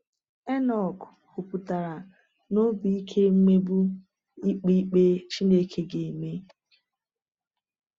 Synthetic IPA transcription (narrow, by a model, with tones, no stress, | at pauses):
ɛ˦nɔ˨kku˨pu˨ta˨ɾa˨ | no˦bi˨i˦kʰe˦m̩˦me˦bu˦ | i˦k͡pi˦k͡pe˦t͡ʃi˦ne˦kʰe˦ɡe˨me˦